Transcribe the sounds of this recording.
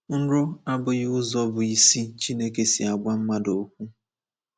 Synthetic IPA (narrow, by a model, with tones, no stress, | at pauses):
n̩˦ɾʊ˦a˦bʊ˨ɣɪ˦ʊ˦zɔ˦bʊ˨i˨si˦t͡ʃi˦ne˦ke˨si˨a˨ɡ͡ba˦m̩˦ma˦do˨˦kʷu˦